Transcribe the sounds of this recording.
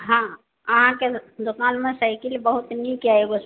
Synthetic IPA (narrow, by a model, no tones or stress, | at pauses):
ɦã | əɦãked̪ʊkaːnmẽsəɪkilbəɦut̪nikiaeɡos